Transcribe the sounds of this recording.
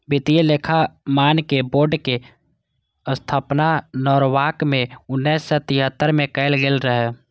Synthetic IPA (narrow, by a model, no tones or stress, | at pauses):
bɪt̪ijlekʰamaːnkeboːɾɖke | əst̪ʰaːpnanɔːɾwaːkmẽʊnːɛːsːɔt̪iɦət̪ːəɾmẽkəɪlɡeːlɾəɦɛ